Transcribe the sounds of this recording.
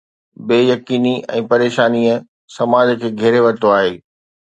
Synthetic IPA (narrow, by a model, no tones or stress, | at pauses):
beːjɐkiːniʔɛ̰̃ːpɐɾeːʃaːniə | sɐmaːd͡ʑkʰeːɡʱɛɦɾeʋɐt̪oaːɦeː